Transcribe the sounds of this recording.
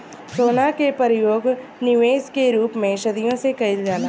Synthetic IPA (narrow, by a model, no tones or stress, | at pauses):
soːnakepəɾɪjoːɡnɪʋeːskeɾuːpmẽʃɐd̪ijõsekɐɪld͡ʒaːna